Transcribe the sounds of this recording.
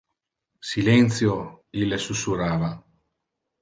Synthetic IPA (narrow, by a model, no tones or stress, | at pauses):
silɛnt̪sjo | ilːesusuɾaːva